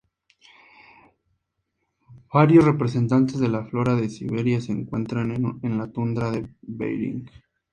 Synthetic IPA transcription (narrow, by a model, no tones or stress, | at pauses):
b̥aɾjosre̞pɾes̬e̞nt̪ant̪e̞zðe̞laflo̞ɾaðesḭβe̞ɾjaseːŋkwe̞̰nt̪ɾanenlat̪und̪ɾaðeβḛjɾḭŋɡ